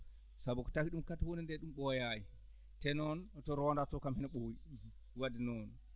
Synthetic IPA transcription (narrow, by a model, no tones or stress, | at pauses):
sabukɔ̥takiɗumkatawonindɛɗumɓɔjaji | tɛnɔntɔɾɔndatɔkamhinaɓowi | wadinɔn